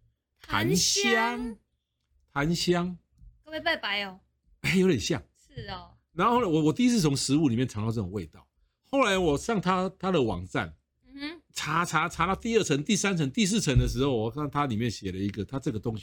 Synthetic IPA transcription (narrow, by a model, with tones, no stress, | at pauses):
t̪ʰa̰˧˦nɕjɑ˦˥ŋ | t̪ʰa˨˦nɕjɑ˥ŋ | kə˧˥we˥˩pa˥˩pa˧˥˦ɪo˨˩ | e˥˩ɪjo˧˥ʊjɛ˨nɕjɑ˥˩ŋʂ̩˥˩ | na˨˦no˥˧xla˦ɪwɔ˨˩wɔ˨˩t̪i˥˧i˥t͡s̩ʰ˥˩t͡sʰo˧˥ŋʂɻ̩˧˦u˥˨li˨˩mjɛ˥˨nʈ͡ʂʰɑ˨˥ŋlt͡sɤ˥˩ʊ˨˩ŋwe˥˧ɪt̪ɑ˥˩ʊ | xo˥˩ʊla˧˦ɪwɔ˨˩ɕɑ˥˨˩ŋt̪ʰa˦t̪ʰa˦d̪ə˨wɑ̰˨˩ŋt͡sa̰˥˨n̩˨˩ | ʈ͡ʂʰa˨˥˦t͡sʰa˧˥t͡sʰa˧˥lɑ˥˧t̪i˥˧ə˥˩t͡sʰə˧˦˥ŋt̪i˥˩sa˥nt͡sʰə˧˥ŋt̪i˥˧s̬̩˥˩t͡sʰə˧˦ŋd̪ə˨˧ʂ̬ɻ̩˧˥xo˥˩ʊwɔ˨˩˥ŋt̪ʰa˦li˨˩mjɛ˥˨˩nɕjɛ˨˩lə˦i˧˦˥ɡə˨t̪ʰa˦ʈ͡ʂɤ˥˩ɡə˩t̪ʊ˦ŋɕi˧˨